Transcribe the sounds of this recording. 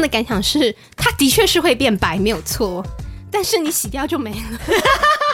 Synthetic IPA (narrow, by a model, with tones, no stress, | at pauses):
ŋd̪ə˩ka˨˧˥nɕjɑ˨˩ŋʂɻ̩˥˩ | t̪ʰa˥t̪i˧˥t͡ɕʰɥɛ˥˧ʂɻ̩˥˧xwe˥˧ɪpjɛ˥˩npa˧˥ɪme˧˥ɪjo˨˩ʊt͡sʰwɔ˥˩t̪a˥˧nʂɻ̩˥˩ni˧˥ɕi˨˩t̪jɑ˥˧ʊt͡ɕjo˥˩ʊme˧˥ɪlə˦